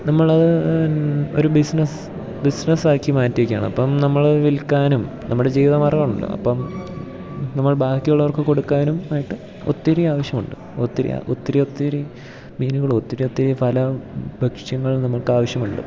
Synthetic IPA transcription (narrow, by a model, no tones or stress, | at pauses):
nɐmːɐɭɐðɨ | o̞̰ɾubisnɐs | bisnɐsʋaːkːimaːtːiʋɐkʲːaːɳɨɐ̰pːɐmnɐmːɐɭɐðɨʋilkːaːnum | nʔɐmːuɽe̞d͡ʑiːʋiðɐmaːrɣaːɳuɳɖɨ̰ɐ̰pːɐm | nɐmːɐɭbaːd̪ʱɐkʲːɐjuɭːɐʋɐrkɨko̞ɽukːaːnumaːjiʈːɨ | o̰t̪ːiɾiaːʋɐɕjɐmuɳɖɨ | ot̪ːiɾḭa̰ʔot̪ːɐɾio̞t̪ːiɾi | miːnuɣɐɭot̪ːiɾiot̪ːiɾipʰɐlɐbʱɐkʂjɐŋːɐɭnɐmːɐɭkaːʋɐɕjɐmuɳɖɨ̰